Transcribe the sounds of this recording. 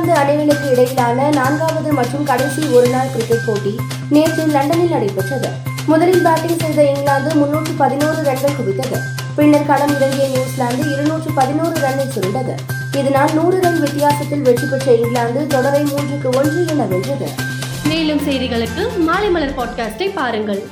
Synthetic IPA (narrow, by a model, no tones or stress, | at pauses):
nd̪ɯɐnɐnɪlɐkːɯɪɽɐjɪlaːnɐnaːnɡaːʋɐðɯmɐʈrɯmkɐɽɐɪsiɔɾɯnaːɭkɪɾɪkːɛʈ̚poːʈːi | neːɾt͡ʃɪmlɐɳɖɐnɪlnɐɽɐɪpːɛʈrɐðɯ̰ | mʊðɐlɪnbaːʈːɪŋsɛjðɐɪŋɡɭaːnd̪ɯmʊnːuːʈːrɯpɐðɪnoːrɯʋɛɭɡɐɭkʊʋɪt̪ːɐðɯ̰ | pɪnːɐɾkɐlɐmɪɾɐŋɡ̪ɪjɐnjuːslaːnd̪ɯɪɾɯnuːʈrɯpɐðɪnuːrɯʋɛɳːɐɪtʊɾɯɳɖɐðɯ̰ | ɪðɐnaːlnuːrɯɾɐɳʋɪt̪ːɪjaːsɐt̪ːɪlʋɛʈːipːɛʈrɐɪŋɡlaːnd̪ɯt̪ɔɽɐɾɐɪmuːnd͡ʒɯkːɯɔndrɯɛnːɐʋɛndrɐðɯ̰ | meːlɯmsɛjðɪɣɐɭɯkːɯmaːlɐɪmɐɭɐɾpaːʈ̚kaːsʈɐɪpːaːɾɯŋɡɐɭ